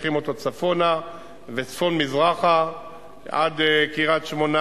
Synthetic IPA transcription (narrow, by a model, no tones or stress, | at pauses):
χimot̪ot͡safo̞na | vet͡sfo̞nmizʁaχa | ʔa̰d̪kiʁat̪ʃmona